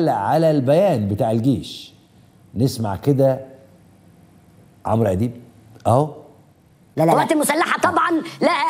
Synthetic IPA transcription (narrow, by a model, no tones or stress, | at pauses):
lʔʕalælbæjæːnbet̪aːʕelɡeːʃ | nesma̰ʕked̪æ | ʕo̰mɾʔæd̪iːb | ʔæːw | æwæːt̪elmʊsælːaħat̪ˤɑbʕɑnlæhæ